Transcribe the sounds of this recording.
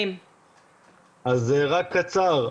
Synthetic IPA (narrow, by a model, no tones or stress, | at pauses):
m | ʔazːeʁakʰːat͡saʁ